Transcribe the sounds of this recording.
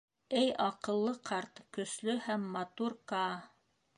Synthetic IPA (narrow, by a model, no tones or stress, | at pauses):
æjɑqɤ̆lˠːɤqʰɑɾt̪kɵ̆slɵhæmːɑt̪uɾkɑ